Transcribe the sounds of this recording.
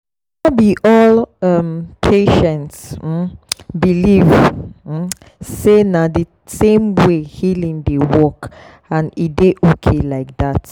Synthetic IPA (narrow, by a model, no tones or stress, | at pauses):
abiʔɔlʌmpʰeʃɛ̃nts̩ | biliv̩ | senadə | sẽmwehilĩŋdəwɔk | ãnideʔokʰelaɪk̚dat